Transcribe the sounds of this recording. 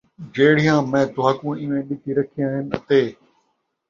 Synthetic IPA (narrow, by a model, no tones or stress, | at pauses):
d͡ʑeːɽ̤ɪjãːmɛ̃ːd̪ʊaːkũɪʋẽɗɪk̪iɾɐkʰijãːɦɪnɪ̆ɐ̰t̪eː